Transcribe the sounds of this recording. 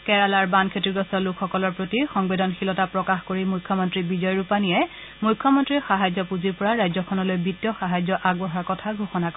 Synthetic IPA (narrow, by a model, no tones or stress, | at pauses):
kɛɹalaɹbankʰetiɹɡɔsɔlʊkʰxɔkɔlɔɹpɹotixɔŋbedɔnxilɔtapɹɔkaxkoɹimujkʰːɔmɔntɹibizɔjɹupanijɛ | mujkʰːɔmɔntɹixaɦazɔpuziɹpɔɹaɹajzɔkʰɔnɔlojbitːjɔxaɦazjɔʔaɡ̚bɔɦaɹkɔtʰaɡʱoxɔnak